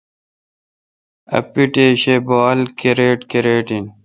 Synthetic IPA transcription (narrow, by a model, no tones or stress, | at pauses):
ɐ̰piʈeːɕebaːlkeɾeːʈkeɾeːʈin